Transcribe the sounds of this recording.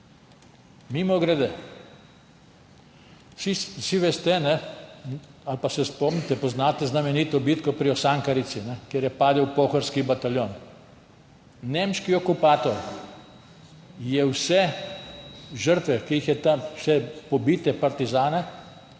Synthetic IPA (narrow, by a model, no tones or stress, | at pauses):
mimɔɡɾɛd̪ɛ | sissiʋɛst̪ɛnɛ | alpasɛspɔmnit̪ɛpɔznat̪ɛznamɛniːt̪ɔbiːt̪kɔpɾiɔsaŋkaɾit̪sinɛkjeɾjɛpaːd̪ɛwpoːxɔɾskibat̪aljoːn | nemʃkiɔkupaːt̪ɔɾ | jɛwsɛ | ʒəɾt̪ʋɛkiixjɛt̪amʃɛpɔbit̪ɛpaɾt̪izaːnɛ